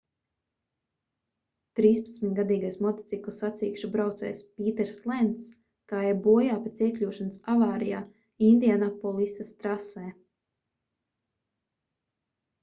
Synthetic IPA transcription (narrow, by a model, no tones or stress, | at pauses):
t̪ɾiːspḁt̪smʲit̪ʲɡad̪iːɡajsmɔt̪ɔ̥t̪siklˠisat̪siːkʃubɾawt̪sɛ̰ːjspʲiːt̪ɛɾslˠɛnt̪s | kaːɛbuɔjaːpet̪siɛklʲuɔʃansavaːɾijaː | ind̪ijanapɔlˠisast̪ɾasɛː